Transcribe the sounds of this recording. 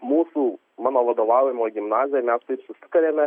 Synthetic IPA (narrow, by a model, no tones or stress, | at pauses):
muːsuː | mɑːnoːʋɐd̪oːʋɑːʋʲjɪmoːɡʲɪmnɑːzʲɪjɛmʲæst̪ɐɪpsʊsʲɪ̥kɐɾʲeːmʲɛ